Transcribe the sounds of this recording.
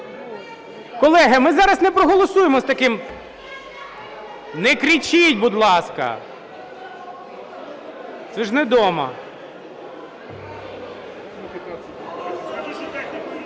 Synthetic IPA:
kɔlˠɛɦɐmɪzɑɾɐsnɛpɾɔɦɔlˠɔsujemɔst̪ɐkɪm | nɛkɾʲit͡ʃitʲbud̪lˠɑskɐ̰ | t̪sɛʒnɛd̪ɔmɐ̰

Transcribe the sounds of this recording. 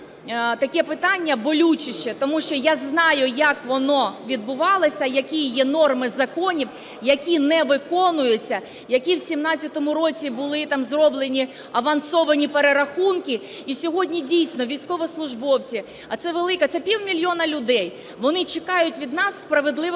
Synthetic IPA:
t̪ɐkɛpɪt̪ɑnʲːɐbɔlʲut͡ʃɪʃt͡ʃɛt̪ɔmuʃt͡ʃɔjaznɑjʊjɐkʋɔnɔʋʲid̪̚bʊʋɑlˠɐsʲɐjɐkʲijjɛnɔrmɪzɐkɔnʲiw | jɐkʲinɛʋɪkɔnʊjʊt͡sʲːɐ | jɐkʲiwsʲimnɑt͡sʲjɐt̪ɔmʊɾɔt͡sʲibʊlˠɪt̪ɑmzrɔblˠenʲi | ɐʋɐnsɔʋɐnʲipeɾeɾɐxunkʲɪ | isʲɔɦɔdʲnʲidʲijsʲnɔʋʲijsʲkɔʋɔslˠʊʒbɔwt͡sʲi | ɐt̪sɛʋelˠɪkɐt̪sɛpʲiwmʲilʲjɔnɐlʲʊd̪ɛj | ʋɔnɪt͡ʃekɑjʊtʲʋʲid̪nɑsːpɾɐʋed̪lˠɪ

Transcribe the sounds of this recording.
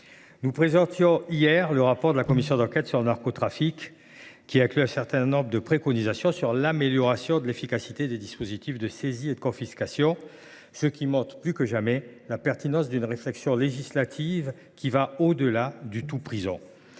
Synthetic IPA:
nupχezɑ̃t̪jɔ̃ijɛʁləʁapɔʁd̪əlakɔmisjɔ̃d̪ɑ̃kɛt̪syʁlənaʁkot̪χafikː | iɛ̃klyɛ̃sɛʁt̪ɛ̃nnɔ̃bʁd̪əpχekɔnizasjɔ̃syʁlameljɔʁasjɔ̃d̪əlefikasit̪ed̪ed̪ispozit̪ifd̪əsezied̪əkɔ̃fiskasjɔ̃ | səkʲimɔ̃t̪χplykəʒamɛlapɛʁt̪inɑ̃sd̪ynʁeflɛksjɔ̃leʒislat̪ʰiv | kʲivaod̪əlad̪yt̪upχizɑ̰̃

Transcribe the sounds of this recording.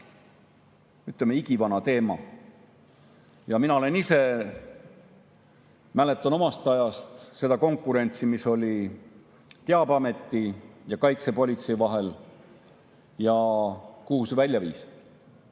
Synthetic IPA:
yt̪lemeiɡ̥ivɑnɑt̪e̞ːmɑ̰ | jɑminɑo̞lenise̞ | mæle̞t̪ːˑɑno̞mɑst̪ɑjɑst̪se̞d̪̥ɑko̞ŋkːˑuɾe̞nʲt̪simiso̞lʲi | t̪eɑbɑme̞t̪ˑːijɑkɑjt̪se̞po̞lʲit̪se̞jivɑɦe̞l | jɑkuhusevælʲjɑvḭːs

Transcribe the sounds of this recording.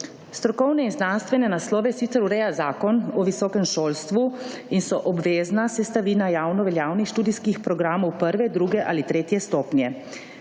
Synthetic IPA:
st̪ɾɔkɔwnɛinznanst̪ʋɛnɛnaslɔːʋɛsit̪sɛɾuɾɛjazaːkɔnɔʋisɔːkɛmʃoːlst̪ʋu | insɔʔɔbʋeːznasɛst̪aʋiːnajaːwnɔʋɛljaːwnixʃt̪uːd̪iskixpɾɔɡɾaːmɔwpəɾʋɛd̪ɾuːɡɛʔalit̪ɾeːt̪jɛst̪ɔːpnjɛ

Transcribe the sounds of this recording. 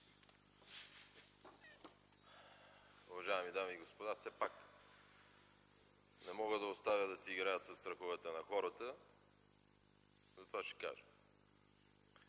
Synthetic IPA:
ʊvɐʒajɛmid̪amiːɡospod̪afsɛpak | nɛmɔɡəd̪ɐost̪avʲəd̪ɐsɛiɡɾajət̪sɐst̪ɾɐxovɛt̪ənɐxɔɾət̪ə | zɐt̪ovaʃɛ̥ka̰ʒə

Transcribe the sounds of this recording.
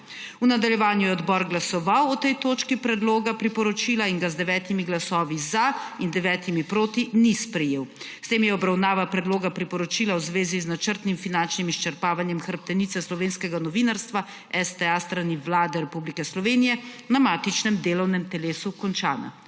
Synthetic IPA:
unad̪aljɛʋaːnjujɛɔd̪bɔːɾɡlasɔʋawɔt̪ɛjt̪oːt͡ʃkipɾɛd̪loːɡapɾipɔɾɔt͡ʃilaiŋɡazd̪ɛʋɛːt̪imiɡlasɔːʋizaind̪ɛʋɛːt̪imipɾoːt̪inispɾɛjeːw | st̪eːmjɛɔbɾawnaːʋapɾɛd̪loːɡapɾipɔɾɔt͡ʃiːlawzʋeːziznat͡ʃəɾt̪nimfinant͡ʃnimiʃt͡ʃɛɾpaːʋanjɛmxəɾp̚t̪ɛnit̪sɛslɔʋeːnskɛɡanɔʋinaɾst̪ʋa | ɛst̪ɛast̪ɾaniʋlaːd̪ɛɾɛpublikɛslɔʋeːnijɛnamaːt̪it͡ʃnɛmd̪eːlɔwnɛmt̪ɛleːsukɔnt͡ʃa̰ːna̰

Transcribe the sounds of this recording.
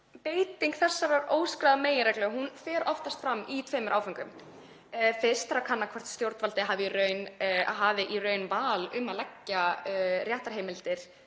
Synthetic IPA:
peːjt̪iŋkθɛsːaɾaɾoːwskɾaðameːjɪɾɛklœɣɦunfɛːɾɔft̪ast̪fɾamːit̪ʰveːjmʏɾʔaːwfaŋkʏm | fɪst̪ɛɾakʰanːakʰvɔr̥t̪st̪jowɾt̪valt̪ɪɦaːvɪirœɥnɦavɪʔirœːɥnvaːlʏmaðlɛcːarjaht̪aɾɦejmɪlt̪ɪɾ̥

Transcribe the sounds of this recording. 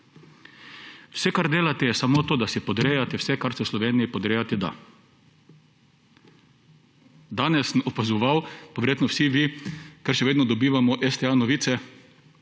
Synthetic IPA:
wsɛkaɾd̪eːlat̪ɛjɛsamot̪oːd̪asipɔd̪ɾeːjat̪ɛwsɛkaɾsɛwslɔʋeːnijipɔd̪ɾeːjat̪ɛd̪a̰ | d̪aːnɛsnɔpazɔʋawpaʋɛɾjeːt̪nɔwsiʋikɛɾʃɛʋeːd̪nɔd̪ɔbiːʋamɔʔɛst̪ɛanɔʋiːt̪sɛ

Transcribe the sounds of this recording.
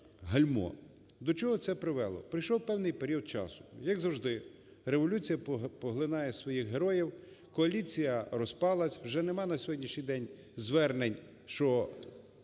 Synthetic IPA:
ɦɐlʲmɔ̰ | d̪ɔt͡ʃɔɦɔt̪sɛpɾɪʋɛlˠɔ̰pɾɪjʃɔwpɛwnɪjpeɾʲiɔd̪̚t͡ʃɑ̰sʊ̥jɐɡzɐwʒd̪ɪ | ɾeʋɔlʲut͡sʲijɐpɔɦlˠɪnɑjɛsʋɔjixɦe̞ɾɔjiw | kɔɐlʲit͡sʲijɐrɔspɑlˠɐsʲwʒɛnemɑnɐsʲɔɦɔdʲnʲiʃɲʲijd̪ɛnʲ | zʋɛrnenʲ | ʃt͡ʃɔ

